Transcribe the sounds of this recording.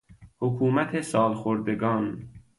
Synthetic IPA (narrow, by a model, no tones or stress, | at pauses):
hokʰuːmæt̪ʰesɒːlxoɾd̪eɡɒːn